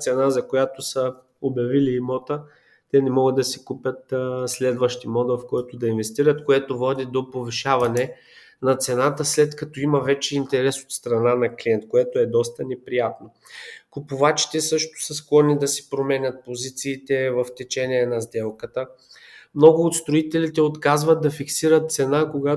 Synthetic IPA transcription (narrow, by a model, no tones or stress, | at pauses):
t̪sɛnazɐkojat̪osə | obʲjɐviliːmɔt̪ə | t̪ɛnɛmɔɡəd̪ɐsikupʲjət̪slɛd̪vəʃt̪imɔd̪vɐfkɔɛt̪od̪ɐinvɛst̪iɾət̪koɛt̪ovɔd̪id̪opoviʃavɐnɛ | nɐt̪sɛnat̪əslɛt̪kɐt̪ɔimɐvɛt͡ʃɛint̪ɛɾɛso̥t̪st̪ɾɐnanɐklʲiɛnt̪koɛt̪oɛd̪ɔst̪ənɛpɾijat̪no | kʊpʊvat͡ʃi̥t̪ɛsɤʃt̪o̥səsklˠɔnid̪ɐsɛ̥pɾomɛnʲət̪̚pozit̪siːt̪ɛvɐft̪ɛt͡ʃɛnʲiɛnɐzd̪ɛlˠkət̪ə | mnɔɡʊːt̪st̪ɾoit̪ɛlit̪ɛot̪kazvɐd̪d̪ːɐfiksiɾət̪̚t̪sɛnakoɡa